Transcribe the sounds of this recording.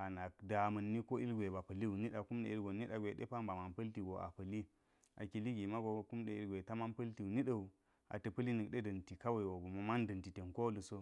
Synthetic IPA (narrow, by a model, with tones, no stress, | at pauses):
a˨na˨k̚da˨mɐ˨nːi˦ko˦ʔi˦lɡʷe˨ba˨pɐ˨li˦u˨ni˦ɗa˨ku˦mɗḛ˨i˦ɾɡo˨nːi˦ɗa˨ɡʷe˨ɗḛ˦pa˦mba˨ma˨npɐ˦lti˨ɡo˨ʔa̰˨pə˨li˦ | a̰˨ki˨li˦ɡi˨ma˦ɡo˨ku˦mɗe˨i˦lɡʷe˨ta˦ma˦npɐ˦lti˨u˨ni˦ɗə˨u˨ | a̰˨tə˨pə˦li˦nə˨kɗe˦dɐ˨nti˨ka˦wa˨i˨wo˨ɡu˨ma˨ma˦ndɐ˨nti˨te˨nko˦lu˨so˦